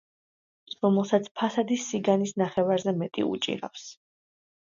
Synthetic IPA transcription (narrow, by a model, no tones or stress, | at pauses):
ɾɔmɛlˠsat̪sʰpʰasad̪isːiɡanisnaχɛvaɾzɛmɛt̪ʼḭṵt͡ʃʼḭɾa̰fs